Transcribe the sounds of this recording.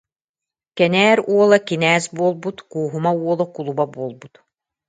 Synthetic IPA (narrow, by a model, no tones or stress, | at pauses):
kɛnɛːɾuɔlˠakinɛːsbuɔlˠbut̪kuːɦumauɔlˠakulˠubabuɔlˠbut̪